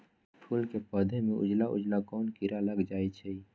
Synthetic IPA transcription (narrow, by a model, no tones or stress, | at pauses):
pʰulkepəd̪ʱemẽʔʊ̰d͡ʒlaʔʊ̰d͡ʒlakɔːnkiɾaləɡd͡ʒaːɛt͡ʃʰɛ